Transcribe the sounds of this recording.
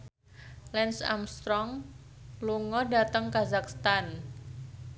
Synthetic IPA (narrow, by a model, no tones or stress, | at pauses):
lɛnsa̰mst̪ɾɔŋ | luŋɔda̤t̪əŋkazakst̪an